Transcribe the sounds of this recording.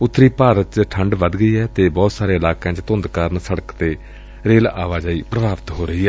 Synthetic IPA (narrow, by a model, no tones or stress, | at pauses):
ʊt̪ʰːɾiːpaːɾət̪t͡ʃʈʰəɳɖʋəd̪ɡəiːɛːt̪eːbɔːt̪saːɾeːɪlaːkãːt͡ʃt̪ʊ̃nd̪kaːɾənsəɽəkt̪eː | ɾeːla̰ːʋaːd͡ʒaːiːpɾəbʱaːʋt̪ɦoːɾəɦiːɛː